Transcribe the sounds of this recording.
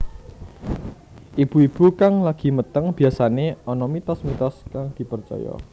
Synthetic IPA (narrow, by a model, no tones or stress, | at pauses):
ʔib̥uib̥ṳkaŋlaɡ̥i̤mət̪əŋb̥i̤asaneɔnɔmit̪ɔsmit̪ɔskaŋd̪̥i̤pərt͡ʃɔ̰jɔ̰